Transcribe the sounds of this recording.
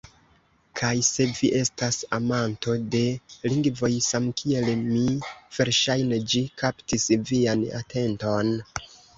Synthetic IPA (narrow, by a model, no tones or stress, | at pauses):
kʰajse̞viʔe̞stasamanto̞de̞liŋɡvo̞jsamkʰie̞lmiv̥e̞ɾʃajned͡ʒikaptisviana̰te̞nto̞n